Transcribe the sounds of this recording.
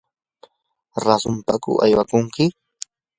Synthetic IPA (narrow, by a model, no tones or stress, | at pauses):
ɾasʊmpakʊ̰ʔajwakʊŋkɪ